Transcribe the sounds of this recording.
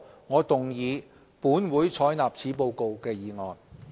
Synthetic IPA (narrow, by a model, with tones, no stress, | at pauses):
ŋɔː˨˧t̪ʊ˨ŋjiː˨˧ | puː˨˥nwuː˨˥jt͡sʰɔː˨˥jnaː˨p̚t͡sʰiː˨˥p̬o˧wko˨˧wkɛː˧jiː˨˧ŋɔː˨n